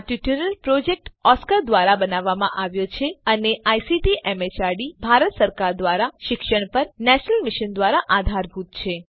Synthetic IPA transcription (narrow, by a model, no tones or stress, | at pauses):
ʈuʈiɾəlpɾod͡ʒek̚ʈɔskəɾd̪ʋaɾabənaʋːamã̰ʔaʋjot͡ʃʰeəneʔajsiʈiʔemet͡ʃaɾɖibʱaɾət̪səɾkaɾd̪ʋaɾaʃɪkʃəɳ̃pəɾnɛʃənəlmiʃənd̪ʋaɾaʔad̪ʱaɾbʱut̪̚t͡ʃʰe